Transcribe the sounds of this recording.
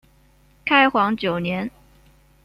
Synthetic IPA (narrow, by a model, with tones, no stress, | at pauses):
kʰa˥ɪxwɑ˧˥ŋt͡ɕjo˨˩ʊnjɛ˧˥n